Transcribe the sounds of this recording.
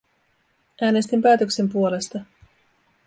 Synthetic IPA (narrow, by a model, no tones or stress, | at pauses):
ʔæːne̞st̪impæːt̪ø̞kse̞mpuo̞le̞st̪ɑ